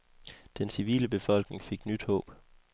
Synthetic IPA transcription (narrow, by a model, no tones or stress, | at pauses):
d̥ensiʋḭːləb̥e̝fɒ̽l̰ɡ̥ne̝ŋfe̝ɡ̥nyd̥hɔ̰̽ːb̥